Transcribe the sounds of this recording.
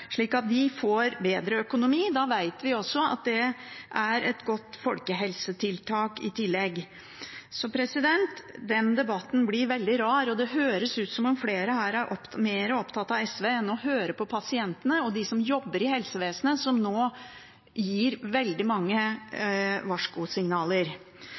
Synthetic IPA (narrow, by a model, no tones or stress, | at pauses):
ʂɭiːkɑt̪̚d̪ɪfoːɾbeːd̪ɾəœkʊnʊmiːd̪ɑʋæɪt̪ʋɪɔsːɔɑ̰t̪̚d̪ɛʔæɾʔɛt̪ɡɔt̪ːfɔlkəɦɛlsət̪ʰɪlt̪ʰɑːkɪt̪ʰɪlːɛɡ | sɔpʰɾɛsɪd̪ɛnt̪d̪ɛnd̪ɛbɑt̪ːn̩blɪɾʋɛld̪ɪɾɑːɾɔd̪ɛɦøːɾəsʉːt̪sɔmɔmfleːɾəhæːɾæɾʔɔpmeːɾəɔpt̪ʰɑt̪ːɑʋɛsʋeːɛnːɔɦøːɾəpʰɔpʰɑsɪɛnt̪ənəɔd̪ɪsɔmjɔbːəɾɪhɛlsəʋeːsənəsɔmnoː | jiːɾʋɛld̪ɪmɑŋːə | ʋɑʂkʊsɪŋnɑːləɾ